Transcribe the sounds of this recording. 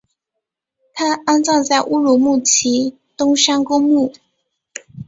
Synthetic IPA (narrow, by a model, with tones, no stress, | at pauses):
t̪ʰa˥a˥nt͡sɑ˥˧ŋt͡sa˥˩ɪʔu˥ɻu˨˧˥mu˥˩t͡ɕʰi˧˥ | t̪ʊ˥ŋʂa˥ŋkʊ˥ŋmu˥˩